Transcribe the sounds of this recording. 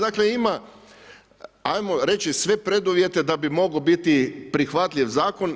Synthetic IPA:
d̪akleima | ajmo̞ɾe̞t͡ʃisʋe̞pɾe̞d̪uʋje̞t̪e̞d̪abimo̞ɡobit̪ipɾixʋat̪ʎʲiʋzaːko̞n

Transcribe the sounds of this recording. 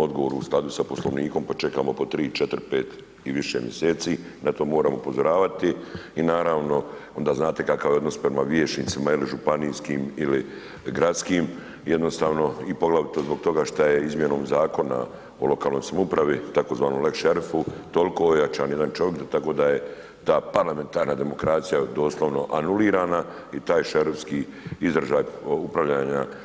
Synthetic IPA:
o̞d̪ɡoʋo̞ːɾuusklad̪usaposlˠo̞̰ʋniːko̞mpat͡ʃe̞kamo̞po̞t̪ɾiːt͡ʃe̞t̪ɾpe̞ːt̪ | iʋiʃḛmjeseːt̪si | nat̪o̞ːmo̞ːɾaːmoupozo̞ɾaːʋat̪iinaːɾaːʋno̞o̞nd̪aːznaːt̪e̞kakaʋjeo̞d̪no̞spɾemaʋjeʃnisimailiʒupaniːskiːmili | ɡɾat̪skiːm | jed̪no̞st̪aːʋno̞ipo̞ɡlaʋit̪ozbo̞ɡ̚t̪o̞ɡaʃt̪ajeizmjeno̞ːmzaːko̞na̰ | o̰lˠo̞kaːlno̞jsamoupɾaʋit̪ako̞zʋaːnomlekʃeɾifut̪o̞liko̞ojat͡ʃaːnjed̪ant͡ʃojekd̪t̪ako̞ːd̪aje̞ | t̪aːpaɾlame̞nt̪aːɾnad̪e̞mo̞kɾaːt̪sijad̪oːslˠo̞ʋno̞ʔanuliːɾaːna | it̪aːjʃeɾfskiː | izɾaʒaːjupɾaʋʎaːɲa

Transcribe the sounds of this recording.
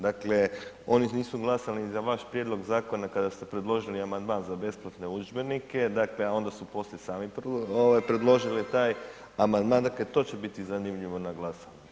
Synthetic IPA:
d̪akle̞ | o̞niniːsuɡlˠasalizaʋaʃpɾje̞d̪lˠo̞ɡzaːko̞nakad̪ast̪e̞pɾe̞d̪lˠo̞ʒiliamand̪maːnzabe̞splˠat̪ne̞ud͡ʒbe̞nike̞d̪akle̞ao̞nd̪asupo̞slisaːmipoʋajpɾe̞d̪lˠo̞ʒilit̪aːj | amand̪maːnd̪aklet̪o̞ːt͡ɕe̞bit̪izanimʎiʋo̞naɡlˠasaɲu

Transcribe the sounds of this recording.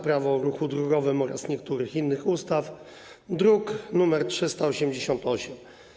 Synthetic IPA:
pɾavɔ̃ɾuxud̪ɾuɡɔvɘmɔɾa̰sɲɛk̚t̪uɾɘxinːɘxust̪af | d̪ɾuknumɛɾtʂɘst̪aɔɕɛmd͡ʑeɕɔnt̪ɔɕɛm

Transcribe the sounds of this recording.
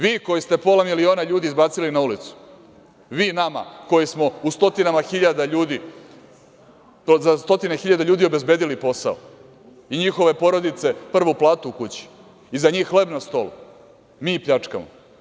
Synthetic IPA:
ʋiːko̞jist̪e̞po̞lamilio̞ːnaʎuːd̪iːzbaːt̪silinaulit̪su̥ | ʋiːnama̰ko̞jismo̞ust̪o̞t̪inamaxiʎad̪aʎuːd̪i | zast̪o̞t̪ine̞xiʎad̪aʎuːd̪io̞be̞zbed̪ilipo̞sa̰o̰ | iɲixo̞ʋe̞po̞ɾo̞d̪it̪se̞pr̩ʋoplˠaːt̪uukut͡ɕi̥ | izaɲiːxːle̞bnast̪o̞̰lṵ | miːpʎat͡ʂka̰mo̰

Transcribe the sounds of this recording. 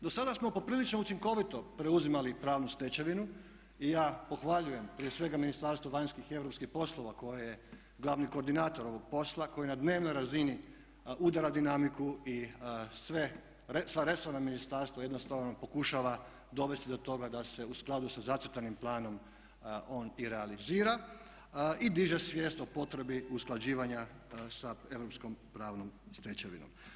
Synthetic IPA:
d̪o̞sad̪asmo̞po̞pɾiːlit͡ʃnout͡ʃiŋko̞ʋit̪o̞pɾe̞uzimalipɾaːʋnust̪e̞t͡ɕeʋinu | ijaːpo̞xʋaʎuje̞mpɾije̞sʋe̞ɡaminist̪aɾst̪ʋoʋaɲskixe̞ʋɾo̞pskixpo̞slˠo̞ʋako̞jeje̞ | ɡlˠaʋniko̞ːɾd̪inaːt̪o̞ɾo̞ʋo̞ɡ̚po̞slˠako̞jinad̪ne̞ːʋnojɾazini | ud̪aɾad̪inamikuisʋe | esʋaɾe̞soɾnaminist̪aɾst̪ʋoje̞d̪nost̪aʋno̞po̞kuʃaʋa | d̪o̞ʋe̞st̪id̪o̞t̪o̞ɡad̪ase̞usklˠad̪usazat͡ʃ̪ɾt̪animplˠaːno̞m | o̞ːniɾealiziːɾa | id̪iʒesʋjest̪opo̞t̪ɾe̞biusklˠad͡ʑiːʋaɲa | sae̞ʋɾo̞psko̞mpɾaːʋno̞mst̪et͡ɕeʋḭno̰m

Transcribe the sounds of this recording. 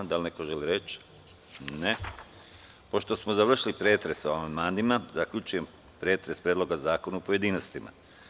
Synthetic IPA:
d̪alnekoʒeliɾet͡ʃ | ne | po̞ʃt̪o̞smozaʋr̩ʃilipɾeːt̪ɾe̞soamand̪maːnd̪imazakʎʲut͡ʃuje̞m | pɾe̞ːt̪ɾe̞spɾjed̪lo̞ɡazaːko̞nuopoje̞d̪iːnost̪ima̰

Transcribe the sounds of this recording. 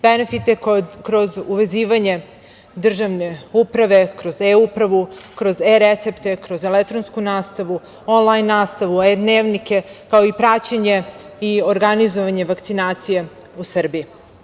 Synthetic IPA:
b̥enefit̪ekɾo̞zuʋe̞ziːʋaɲe̞ | d̪r̩ʒaʋne̞upɾaʋe̞kɾo̞zeupɾaʋukɾo̞zeɾet̪se̞pt̪e̞kɾo̞zelek̚t̪ɾonskunaːst̪aʋu | onlˠajnːaːst̪aʋued̪neːʋnike̞kaoipɾat͡ɕaɲe̞io̞ɾɡanizo̞ʋaɲe̞ʋakt̪sinaːt̪sije | usr̩bii

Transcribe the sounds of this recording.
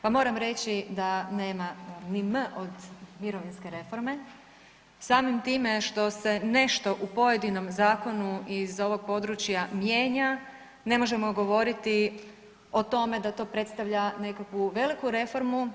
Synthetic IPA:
pamo̞ːɾamɾe̞t͡ɕid̪ane̞ːmanimʔod̪miɾo̞ʋinske̞ɾe̞fo̞ɾme̞ | saːmimt̪iːme̞ʃt̪o̞se̞ne̞ʃt̪o̞ʔupo̞je̞d̪ino̞mzaːko̞nuizo̞ʋo̞ɡ̚po̞d̪ɾut͡ɕjamjeːɲa | ne̞mo̞ʒe̞mo̞ɡo̞ʋo̞ɾit̪i | o̞t̪o̞me̞d̪at̪o̞ːpɾe̞t̪st̪aʋʎane̞kakʋuʋe̞likuɾe̞fo̞ɾmu

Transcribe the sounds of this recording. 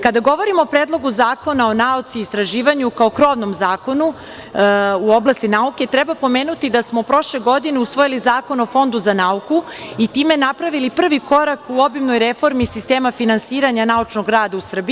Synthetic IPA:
kad̪aɡo̞ʋo̞ɾimoːpɾeːd̪lˠoɡuzaːko̞nao̞naut̪siːst̪ɾaʒiːʋaɲukao̞kɾo̞ʋno̞mzaːko̞nu | uo̞blˠast̪inauke̞t̪ɾɛbapo̞meːnut̪id̪asmo̞pɾo̞ʃle̞ɡo̞d̪ineusʋojilizaːko̞no̞fo̞nd̪uzanauku | it̪iːme̞napɾaʋilipr̩ʋiko̞ɾakuo̞bimno̞jɾefo̞ɾmisist̪eːmafinansiːɾaɲanaut͡ʃnoɡɾaːd̪ausr̩bi

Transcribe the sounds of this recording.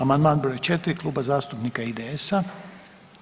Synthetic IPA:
amand̪maːndbiɾojt͡ʃet̪ɾiklˠuːbazaːst̪upnikaid̪eesa

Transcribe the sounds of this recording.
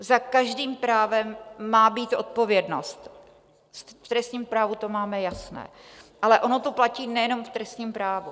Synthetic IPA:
zakaʒdiːmpɾaːvɛmːaːbiːt̪ʔo̞̰t̪̚po̞vjɛdno̞st̪ | t̪ft̪ɾɛst̪ɲiːmpɾaːvut̪o̞maːmɛjasnɛ̰ːʔalɛʔo̞no̞t̪o̞placiːnɛjɛno̞mft̪ɾɛst̪ɲiːmpɾaːvu

